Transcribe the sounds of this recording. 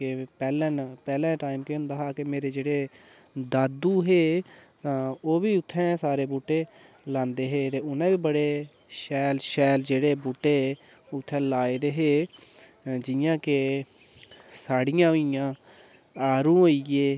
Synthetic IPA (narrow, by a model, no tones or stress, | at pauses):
kepɛːlɛ̃ːpɛːlɛ̃ːʈaːimkeʊ̃nd̪aːɦaːkɪmeːɾeːd͡ʒeːɽeː | d̪aːd̪uːɦeːt̪ãːoːʋiːʊt̪ʰːɛ̃ːsaːɾeːbuːʈːeː | lãːnd̪eːɦeːt̪eːʊnãːʋiːbəɽeː | ʃɛːlʃɛːld͡ʒeːɽeːbuːʈːeː | ʊt̪ʰːɛ̃ːlaːeːd̪eːɦeː | d͡ʒɪjãːke | saːɽɪjãːʊijãː | aːɾũːɦoːieː